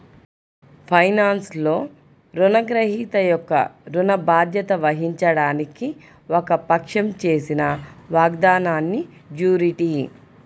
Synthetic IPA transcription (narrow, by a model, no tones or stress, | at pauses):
pʰɐjnaːnslo̞ː | ɾunɐɡɾɐɦiːt̪ɐjɔkːɐ̰ɾunɐbaːd̪jɐt̪ɐʋɐɦiɲt͡ʃɐɽaːniki | ɔkɐpɐkʂɐmt͡ʃe̞ːsinɐʋaːɡd̪aːnaːnːi | d͡ʒuːɾiʈi